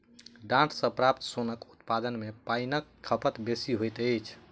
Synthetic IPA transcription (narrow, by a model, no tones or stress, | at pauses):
ɖãʈʰsə̃pɾap̚t̪sonəkut̪pad̪ənmepajnəkkʰːəpət̪besiɦojt̪ət͡ʃʰ